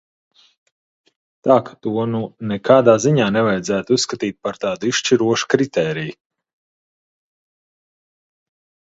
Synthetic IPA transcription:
t̪aːkḁt̪uɔnunɛkaːd̪aːziɲaːnɛvajd̪zæːt̪ussːkat̪iːt̪̚paɾt̪aːd̪uiʃʃt͡ʃiɾuɔʃu̥kɾit̪ɛːɾiju

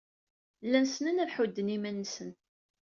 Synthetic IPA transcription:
lːænsnænæɾħud̪ːənimænːəsən

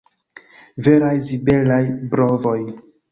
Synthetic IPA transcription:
veɾajzibe̞lajbɾovo̞j

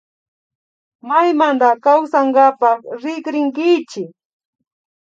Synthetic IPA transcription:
majmand̪akawsaŋɡapɑχɾɪkɾɪŋkɪt͡ʃɪk

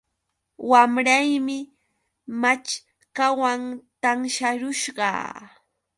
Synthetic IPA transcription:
wamɾajmɪ | mat͡ʃ | kawaŋt̪aŋʃaɾʊʃɢɑ̰ː

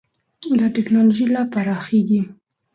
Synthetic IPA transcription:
d̪əʈɪknɑloʒilɑpaɾɑxeɡi

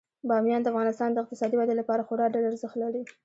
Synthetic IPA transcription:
bɑmjɑnd̪əafɣɑnɪst̪ɑnd̪əɪq̚t̪ɪsɑd̪iwad̪əlapɑɾaxoɾɑɖalaɾzəxt̪laɽi

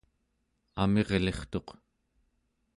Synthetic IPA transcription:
ame̞ʁle̞χt̪o̞q

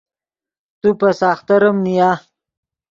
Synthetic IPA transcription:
t̪upasaːxt̪ɐɾəmnija

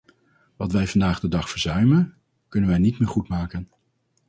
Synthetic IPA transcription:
ʋɑtʋɛjvɑndaːχdədɑχfəɹzœɥmən | kɵnənʋɛjnitmɪːɹχutmaːkən

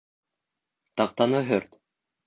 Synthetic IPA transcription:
t̪ɑq̚t̪ɑnɤɦɵɾt̪

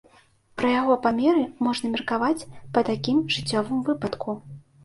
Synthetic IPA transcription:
pɾɐjaɣɔpamʲɛɾɨmɔʐnɐmʲirkavat͡sʲpɐt̪akʲimʐɨt͡sʲːɔvɨmvɨpɐt̪kʰu

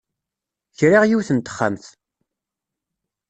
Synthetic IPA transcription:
çɾiʁjiwθənt̪ə̥χːa̰mθ

